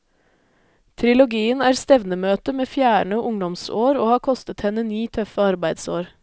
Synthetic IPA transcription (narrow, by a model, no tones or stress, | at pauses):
t̪ʰɾɪlʊɡiːənæːɾst̪ɛʋnəmøːt̪əmeːfjæːɳəʔʊŋd̪ɔmso̰ːɾoːhɑːkʰɔst̪ət̪hɛnənyːt̪ʰœfəɑɾbæɪd̪soːɾ